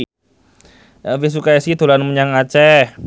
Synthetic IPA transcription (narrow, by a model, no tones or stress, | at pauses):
əvis̬ukaɛsit̪ulanməɲaŋat͡ʃɛ